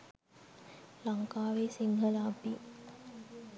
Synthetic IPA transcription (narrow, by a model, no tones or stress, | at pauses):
laŋkaːʋeːsiŋɦəlaːpi